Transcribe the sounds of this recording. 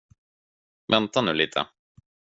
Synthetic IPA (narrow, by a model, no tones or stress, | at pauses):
vɛnt̪anʉ̟ːliːt̪ʰə̰